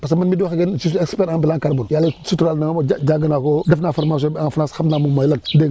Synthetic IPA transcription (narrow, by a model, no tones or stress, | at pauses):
pasmanmiduxaɡensis̬ɛkspɛɾaŋbilaŋkaɾbunjalːesutuɾalnaŋmad͡ʒaɡənakodɐfnafoɾmas̬ɔaŋfnasxamnaːmumajlandeŋ